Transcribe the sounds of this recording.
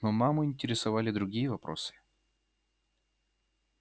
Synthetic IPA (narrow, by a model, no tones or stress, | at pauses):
nomamʊɪnʲtʲɪɾʲɪsɐvalʲɪd̪ɾʊɡʲijəvɐpɾo̰sɨ̥